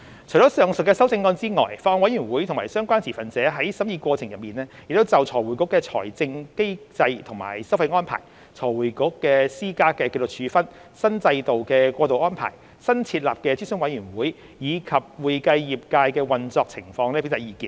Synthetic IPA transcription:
t͡ʃʰɵ˨˩jt͡sɔ˨˥sœː˨ŋsɵ˨t̚kːɛː˧sɐ˥wt͡sɪ˧ŋːɔː˥nt͡siː˥ŋɔ̰ː˨jfaː˧hɔ˨˧wɐ˨˥jy˨˩nwuː˨˥jtʰʊ˨˩ŋmaː˨˩jsœː˥ŋkʷaː˥nsʰiː˨˩fɐ˨˩nt͡sɛː˨˥ɦɐ˨˥jsɐ˨˥mjiː˧kʷɔː˧t͡sʰɪ˨˩ŋjɐ˨t̚miː˨˩nɛː˥jɪ˨k̚t̪o˥wt͡sɐ˨wt͡sʰɔː˨˩jwuː˨˩jkʊ˨˥kːɛː˧t͡sʰɔ̰ː˨˩jt͡sɪ˧ŋke˥jt͡sɐ˧jt̪ʰʊ˨˩ŋma̰ː˨˩jsɐ˥wfɐ˧jŋɔː˥npʰa̰ː˨˩j | t͡sʰɔː˨˩jwuː˨˩jkʊ˨˥kːɛː˧siː˥kaː˥kɛː˧ke˧jt͡so˨k̚t͡ʃʰyː˨˧˥fɐ˥n | sɐ˥nt͡sɐ˧jt̪o˨wkɛː˧kʷɔː˧t̪o˨wʔɔː˥npʰa̰ː˨˩j | sɐ˥nt͡sʰiː˧t̚laː˨p̚kɛː˧t͡siː˥sʊ˥ŋwɐ˨˥jɥyː˨˩nwuː˨˥j | jiː˨˧kʰɐ˨p̚wuː˨jkɐ˧jjiː˨p̚kaː˧jkɛː˧wɐ˨nt͡sɔː˧k̚t͡sʰɪ˨˩ŋfɔː˧ŋnɛ˥pe˨˥t̪ɐ˨˩jiː˨˧kiː˧˩

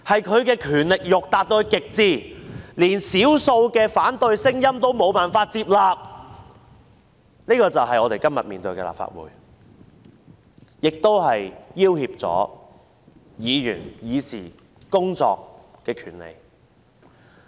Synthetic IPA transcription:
hɐ˨jkʰɵ˨˧ɥkɛː˧kʰyː˨˩nlɪ˨k̚jʊ˨k̚t̪aː˨t̚t̪o˧kɪ˨k̚t͡siː˧liː˨˩nsiː˨˥wso˧wkɛː˧faː˨˥nt̪ɵ˧ɥsɪ˥ŋjɐ˥mt̪o˥wmo˨˧wpaː˨nfaː˧t̚t͡siː˧p̚laː˨p̚ | niː˥kɔː˧t͡sɐ˨wɦɐ˨jɔː˨˧t̪e˨jkɐ˥mjɐ˨t̚miː˨nt̪ɵ˧ɥkɛ̰ː˧la̰ː˨p̚fa̰ː˧t̚wṵː˨j | jɪ˨k̚t̪o˥whɐ˨jjiː˥whiː˧p̚t͡sɔ̰ː˨˥ | jiː˨˧jy̰ː˨˩njiː˨˧sḭː˨˩ | kʊ˥ŋt͡sɔ̰ː˧k̚kːɛː˧kʰyː˨˩nlḛ˨˧˩j

